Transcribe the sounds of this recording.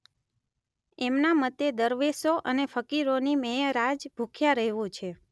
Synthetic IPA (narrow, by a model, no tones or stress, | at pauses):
emnamət̪ed̪əɾʋesoʔənefəkiɾonimejəɾad͡ʒbʱukʰjaɾəɦeʋũt͡ʃʰe